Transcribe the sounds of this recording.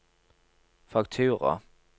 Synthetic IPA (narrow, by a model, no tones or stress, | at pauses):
fɑk̚t̪ʰʉːʁə̰